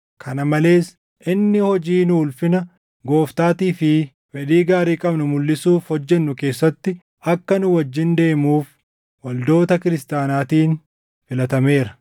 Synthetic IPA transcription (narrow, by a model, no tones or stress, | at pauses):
kʰɐnɐmɐle̞ːs | ʔɪnːɪhɔd͡ʒiːnʊʊlfɪnɐ | ɡo̞ːft̪aːt̪iːfɪ | fɛᶑ̪iːɡaːɾiːkʼɐbnʊmʊlːɪsuːfhɔd͡ʒːɛnːʊke̞ːsːɐt̪ːɪ | ɐkːɐnʊwɐd͡ʒːɪnd̪e̞ːmuːf | wɐld̪o̞ːt̪ɐkɪɾɪst̪aːnaːt̪iːn | fɪlɐt̪ɐme̞ːɾɐ